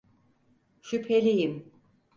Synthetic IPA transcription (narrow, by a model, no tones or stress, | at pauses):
ʃypʰelʲijim